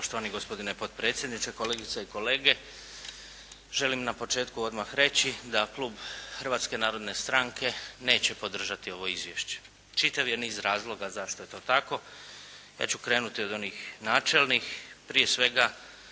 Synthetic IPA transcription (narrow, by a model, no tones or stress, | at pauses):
poʃt̪o̞ʋaniɡospo̞d̪inepo̞d̪̚pɾet̪sjed̪nit̪seko̞leɡit̪saiko̞le̞ːɡe̞ | ʒe̞limnapo̞t͡ʃe̞ːt̪kuo̞d̪maxɾe̞t͡ɕid̪akluːbxər̩ʋat̪ske̞naːɾo̞d̪ne̞st̪ɾaŋke̞ne̞ːt͡ɕe̞po̞d̪r̩ʒat̪io̞ʋo̞izʋje̞ʃt͡ɕe̥ | t͡ʃit̪aʋjeniːzɾaːzlˠo̞ɡazaʃt̪oje̞t̪o̞ːt̪ako̞ | ja̰ːt͡ɕukɾe̞ːnut̪io̞d̪o̞niːxnaːt͡ʃe̞lˠnixpɾije̞sʋe̞ɡa